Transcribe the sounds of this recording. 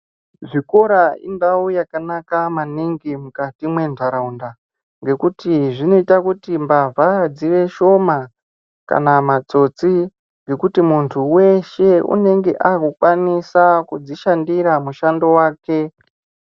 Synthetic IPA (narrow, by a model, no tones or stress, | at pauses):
ʐiko̞ɾaḭndaujakanakamaniŋɡimukatimwe̞ndʱaɾaunda | ŋɡe̞kutiʐino̞itakutimbavʱad͡ziʋe̞ʃo̞ma | ka̰namat͡so̞t͡si | ŋɡe̞kutimuntʰuwe̞ʃe̞ṵne̞ŋɡe̞ʔakukwanisakud͡ziʃandiɾamuʃando̞waːke̞